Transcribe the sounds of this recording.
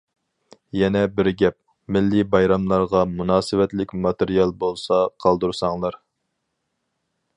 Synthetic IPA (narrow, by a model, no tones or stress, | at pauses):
jɛnɛbɪɾɡʲɛp̚ | mɪlːɪbɑjɾɑmlˠɑɾʁɑmunɑːsɨwɛt̪lɪkʲmɑt̪ɪɾijɑlˠbolˠsɑqʰɑlˠd̪uɾsɑŋlˠɑɾ